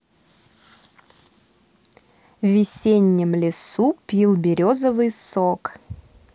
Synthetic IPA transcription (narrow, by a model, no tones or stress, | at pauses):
vʲɪsʲenʲːɪmlʲɪsupʲilˠbʲɪɾʲozəvɨjsok